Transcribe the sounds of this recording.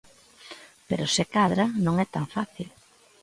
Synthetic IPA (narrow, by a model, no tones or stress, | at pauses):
peɾʊsɪkaðɾɐnõŋɛt̪aŋfaθil